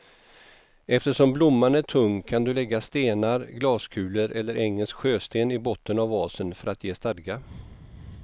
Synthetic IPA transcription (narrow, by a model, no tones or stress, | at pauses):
ɛft̪əʂɔmblʊmːanæʈʰɵŋkʰand̪ɵlɛɡːast̪eːnaɾɡlɑːskʰʉ̟ːləɾʔɛlːəɾʔɛŋːəlskɧøːst̪eːnɪbɔt̪ːənavːɑːsənfœɾat̪jeːst̪ad̪ɡa